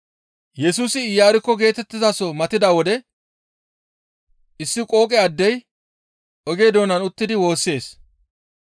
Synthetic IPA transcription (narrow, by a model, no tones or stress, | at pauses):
jɛsuːsɪɪjaːɾɪkːɔɡe̞ːt̪ɛt̪ːɪzasɔmɐt̪ɪd̪aːwɔd̪ɛ | ʔɪsːɪkʼo̞ːkʼɛɐd̪ːɛj | ɔɡe̞ːd̪oːnɐnʊt̪ːɪd̪ɪwo̞ːsːe̞ːs